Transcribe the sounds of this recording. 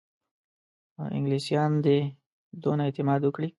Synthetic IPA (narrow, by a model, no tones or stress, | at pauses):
ʔɪ̰ŋɡlisjɑnd̪e | d̪onaet̪ɪmɑd̪wəkɽi